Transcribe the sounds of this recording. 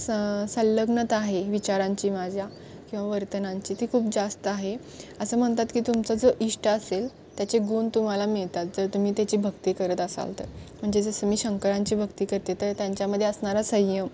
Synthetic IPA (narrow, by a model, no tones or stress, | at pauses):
səlːəɡnət̪aɦeʋit͡ɕaɾãɲt͡ɕiːmad͡ʑʱja | kĩw̃ʋaʋəɾt̪ənaɲt͡ɕiːt̪iːkʰuːp̚d͡zast̪əaɦe | əsəːm̤əɳt̪at̪kiːt̪umt͡səd͡zoʔiʂʈəəsel | t̪jat͡seɡuːnt̪um̤alamiɭt̪at̪̚d͡zəɾt̪um̤iːt̪jat͡ɕiːbʱəɡt̪iːkəɾət̪əsa̰lt̪ə̰ɾm̤əɳd͡zd͡ʑed͡zəsəmiːɕəŋkəɾãɲt͡ɕiːbʱəɡt̪iːkəɾt̪et̪əɾt̪jaɲt͡ɕjaməd̪ʱːeəsɳaɾasəjəm